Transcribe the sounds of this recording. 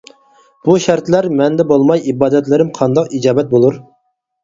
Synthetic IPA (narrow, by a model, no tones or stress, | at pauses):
b̥uʃæɾt̪læɾmɛnd̪ɛbolˠmɑjibɑːd̪ɛt̪lɪɾɪmqʰɑnd̪ɑqid͡ʒɑːbɛt̪̚bolˠuɾ